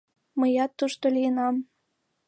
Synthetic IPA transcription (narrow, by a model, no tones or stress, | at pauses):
məjɑt̪ːuʃt̪olijənɑm